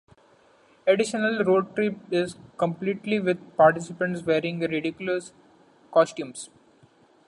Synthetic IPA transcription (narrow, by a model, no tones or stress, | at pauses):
eɖɪʃənəlɾoːɖ̚ʈɾɪpɪzkə̃mpliːʈliʋɪd̪̚paːɾʈɪsɪpə̃ɳʈsʋeːɾɪ̃ŋɡɾɪɖɪkjʊləs | kɔːsʈjũːms